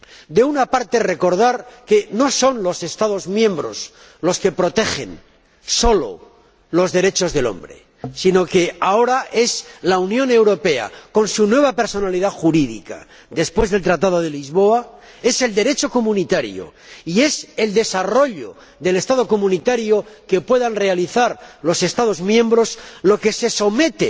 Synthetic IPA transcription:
d̪e̞unapaɾt̪e̞re̞ko̞ɾð̞aɾke̞no̞so̞nlo̞se̞st̪aðo̞zmjẽ̞mbɾo̞̰s | lo̞ske̞pɾo̞t̪e̞xe̞̰n | so̞lo̞̰ | lo̞zðe̞ɾe̞t͡ʃo̞zðe̞lo̞̰mbɾe̞̰ | sino̞ke̞ao̞ɾaʔe̞slaunjõ̞ne̞wɾo̞pe̞a̰ko̞nsunwe̞β̞ape̞ɾso̞naliðaxuɾiðḭka̰ | ðe̞spwe̞zðe̞lt̪ɾat̪að̞o̞ð̞elizβo̞a | e̞se̞ld̪e̞ɾe̞t͡ʃo̞ko̞mũnit̪aɾjo̞̰ie̞se̞ld̪e̞saro̞ʎo̞̰ | ðe̞le̞st̪að̞o̞ko̞mũnit̪aɾjo̞ke̞pwe̞ðanre̞aliθaɾlo̞se̞st̪að̞o̞zmjẽ̞mbɾo̞slo̞ke̞se̞so̞me̞t̪e

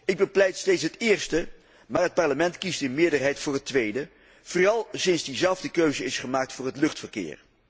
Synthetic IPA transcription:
ɪɡ̚bəplɛjtstejtsɦətɪːɹstə | maːɹɦət̚pɑɹləmɛntkistɪnmɪːɹdəɹɦɛjtfʊːɹɦətʋejdə | v̥orɑlˠsɪnzdizɛlˠvdəkøɥzəɪsχəmaːk̚tfʊːɹɦətlɵχtfəɹkɪ̰ːɹ

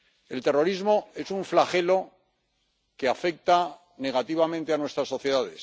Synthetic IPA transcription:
e̞lt̪e̞ro̞ɾizmo̞e̞suɱflaχe̞lo̞ | keafe̞k̚t̪a | ne̞ɣat̪iβamẽnt̪e̞anwest̪ɾasːo̞θje̞ðaðe̞s

